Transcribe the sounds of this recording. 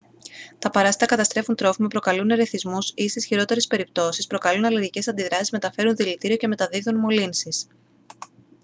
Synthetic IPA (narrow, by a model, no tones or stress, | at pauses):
t̪ɐpɐɾɐst̪it̪ɐkɐt̪ɐst̪ɾe̞funt̪ɾo̞fimɐpɾo̞kɐluneɾe̞θizmusist̪isçiɾo̞t̪e̞ɾe̞spe̞ɾip̚t̪o̞sispɾo̞kɐlunɐliɾʝice̞sɐnd̪iðɾɐsizme̞t̪ɐfe̞ɾunðilit̪iɾio̞ce̞me̞t̪ɐðiðunmo̞linsis